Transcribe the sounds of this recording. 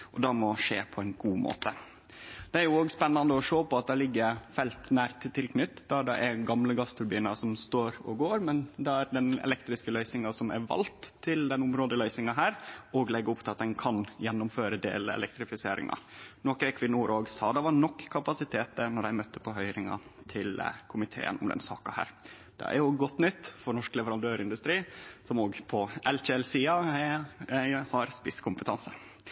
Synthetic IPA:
ʔɔd̪ɑmɔʂḛːpʰɔæɪnɡuːmʔo̰ːt̪ə | d̪̥ɛæɾjʊoːɡspɛnːɑnd̪əɔʂoːpɔɑt̪̚d̪ɛlɪɡːəɾfɛlt̪næːɾt̪t̪ʰːɪlknʏt̪ːd̪ɑɖ̪ɛʔæɡɑmləɡɑst̪ɾʊɾbiːnɑsɔmst̪oːɾɔ̰ɡoːɾmɛnd̪ɛæɾɖ̪ɛnɛ̰lɛkt̪ɾɪskəlœʏsɪŋɑsɔmæ̰ɾʋɑ̰lt̪ʰːɪld̪ɛnʊmɾoːd̪əlœʏsɪŋɑɦæːɾɔɡlɛɡːəʊpt̪ɪlɑt̪̚d̪ɛnkʰɑnjɛnːʊmføːɾəd̪ḛːləɛ̰lɛk̚t̪ɾɪfɪseːɾɪ̰ŋɑ̰nɔkɛkʰʋɪnːuːɾoːɡsɑːd̪ɑʋɑɳɔkːkʰːɑpɑsɪt̪ʰeːt̪ənɔɾæɪmœt̪ːə̥pʰɔɦœʏɾɪŋɑ̰t̪ʰɪlkʰʊmɪt̪ʰḛːə̰nʊmd̪ɛ̰nsɑ̰ːkɑhæ̰ːɾ | d̪ɛ̰ʔæ̰ɾjʊɡɔt̪ːnʏt̪ːfɔɾnɔʂklɛʋəɾɑnd̪øːɾɪnd̪ʉst̪ɾiːsɔmoːɡpʰɔɛltɛlsiːɑ | hɑɾspɪskʰʊmpət̪ʰɑnsə

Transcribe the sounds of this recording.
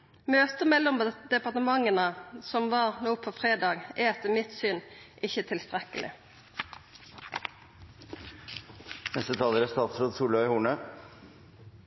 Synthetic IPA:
møːt̪əmɛlːɔmd̪ɛpɑʁt̪əmɑŋənəsɔmʋɑːʁnoːpʰɔfʁeːd̪ɑːɡæɛt̪ːəmɪt̪syːnʔɪçːət̪ʰɪlst̪ʁɛkəlʔɪ̰ | nɛst̪ət̪ʰɑːləɾæst̪ɑːt̪sɾoːd̪suːlœɪhuːɳə

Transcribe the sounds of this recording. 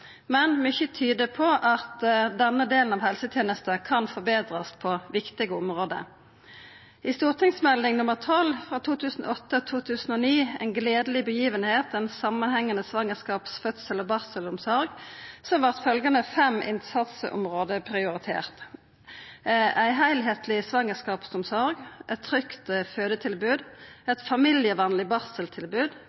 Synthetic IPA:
mɛnmʏçət̪ʰyːd̪əpʰɔʔɑt̪d̪ɛnːəd̪eːln̩ɑːʋhɛlsət̪ʰjeːnəst̪əkʰɑnfɔbeːd̪ʁəspʰɔʋɪkt̪ɪɡəʊmʁoːd̪ə̰ | ɪst̪uːʁt̪ʰɪŋsmɛld̪ɪŋnʊməʁt̪ʰɔlfʁɑːt̪ʰuːt̪ʰʉːsn̩ɔ̰ɔt̪ːət̪ʰuːt̪ʰʉːsn̩ɔniːɛnɡleːd̪əlɪbəjiːʋənheːt̪ɛnsɑmːənhɛŋːənəsʋɑŋəʁskɑːpsfœt̪səlɔbɑʁsəlʊnsɔɾɡsɔmʋæʁt̪fœlɡənəfɛmʔɪ̰nsɑt̪sə̰ʔʊ̰mʁoːd̪əpʰʁɪʊʁɪt̪ʰḛːʁt̪ | ʔæɪɦæɪlɦeːt̪ʰlɪsʋɑŋəskɑːpsɔmsɔʁɡʔɛt̪ʰʁʏkt̪føːd̪ət̪ʰɪlbʉːd̪ɛt̪fɑmɪlɪəʋɑːnlɪbɑʁsəlt̪ʰɪlbʉːd̪

